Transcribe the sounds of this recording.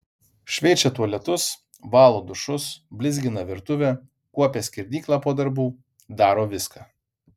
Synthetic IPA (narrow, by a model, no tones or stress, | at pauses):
ʃʲʋʲɛɪt͡ʃʲɛt̪uɔlʲɛt̪ʊs | ʋɑːlˠoːd̪ʊʃʊsbʲlʲɪzʲɡʲɪnɐʋʲɪɾt̪ʊʋʲɛ | kuɔpʲeːsʲkʲɪɾʲd̪ʲiːklˠɑːpoːd̪ɐɾbuː | d̪ɑːɾoːʋʲɪskaː